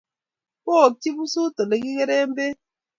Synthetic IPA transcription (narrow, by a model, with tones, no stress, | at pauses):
ko˦˨ti˦bu˦su˦to˨le˨ki˦ɣe˦ɾe˦m̩˦be˦